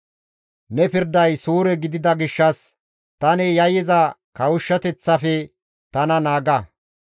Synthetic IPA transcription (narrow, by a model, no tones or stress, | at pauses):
nɛpɪɾd̪ɐjsuːɾɛɡɪd̪ɪd̪ɐɡɪʃːɐs | t̪ɐnɛjɐjɪzɐkɐwʊʃːɐt̪ɛt͡sːɐfɛ | t̪ɐnɐnaːɡɐ